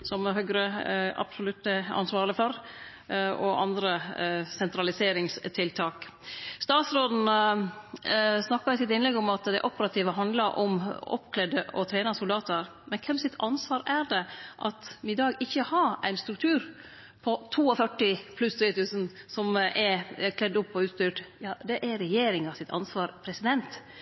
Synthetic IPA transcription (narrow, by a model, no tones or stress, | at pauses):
sɔmɦœɡɾəɑ̰psɔlʉt̪ːəɑ̰nsʋɑːɾɭɪfɔɾ | ɔʔɑ̰nd̪ɾəsɛnt̪ɾɑlɪseːɾɪŋst̪ʰɪlt̪ʰɑːkst̪ɑːt̪sɾoːd̪n̩ | snɑkːɑɾɪsɪt̪ɪnlɛɡːɔmɑt̪d̪æɪʔɔpːəɾɑt̪ʰiːʋəɦɑnd̪ləɾʔɔ̰mɔ̰pkʰlɛd̪əɔ̰t̪ʰɾeːnɑsʊld̪ɑːt̪əɾ | mɛnkʰɛmsɪt̪ʰɑnsʋɑːɾæɾɖɛʔɑt̪ɪd̪ɑːɡɪçːəhɑɾæ̰ɪnst̪ɾʉk̚t̪ʰʉːɾ | pʰɔt̪ʰuːɔfœʈːɪpʰlʉst̪ʰɾiːt̪ʰʉːsənsɔmʔɛɾkʰlɛd̪ːʊpːɔʉːt̪st̪yːʈjɑːd̪ɛʔæɾɛjeːɾɪŋɑsɪt̪ʰɑ̰nsʋɑːɾpʰɾɛsɪd̪ɛnt̪